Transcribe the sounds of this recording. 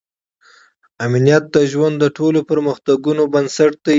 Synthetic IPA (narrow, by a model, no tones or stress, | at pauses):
amnijat̪̚d̪əʒwand̪ːəʈʰolopəɾməxt̪aɡunobənsaʈ̚d̪a